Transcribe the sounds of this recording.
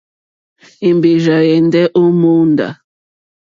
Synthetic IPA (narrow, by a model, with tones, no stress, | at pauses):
e˨mbe˨ʒa˨jɛ˨n˦dɛ˦ʔo˦mo˦nda̰˨